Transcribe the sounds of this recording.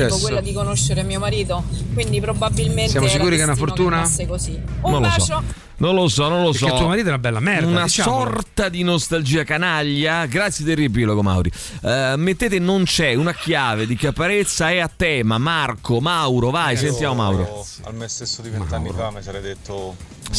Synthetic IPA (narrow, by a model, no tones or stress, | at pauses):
ɛkwelːad̪ikonoʃːeɾemiːomaɾiːt̪okwind̪ipɾobabilmentsjamoskkuːɾikeunafoɾt̪uːnasekosinõnlosɔo | nonlosɔnõnloɾs̬ɔt̪ːuoomaɾit̪oɛunabːɛlːamɛɾdunasaɔrt̪ad̪inost̪ald͡ʒiːakanaʎːaɡɾat̪sjed̪erːiep̬iloɡoma̰wɾi | mːet̪ːeːt̪̬enːont͡ʃɛunakjaːved̪ikapaɾet̪sːaɛat̪ːɛːmamarkomawɾovajsent̪jaːmoma̰wɾo̰ | a̰lmest̪esːod̪iveanːamesɾajd̪et̪ːo